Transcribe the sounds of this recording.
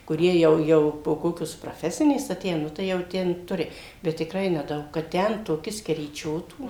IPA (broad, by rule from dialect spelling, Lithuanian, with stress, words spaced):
kʊˈrʲiɛ ˈjɛʊ ˈjɛʊ poː ˈkoːkʲoːs prɐˈfʲæːsʲɪnʲeːs ɐˈtʲeːjæː ˈnʊ tɐɪ jɛʊ ˈtʲɛn ˈtʊrʲɪ ˈbʲɛt tʲɪkˈrɐɪ nʲɛˈdɐʊk kɐt ˈtʲɛn toːˈkʲɪ sʲkʲɛrʲiːˈt͡ʃʲoːtuː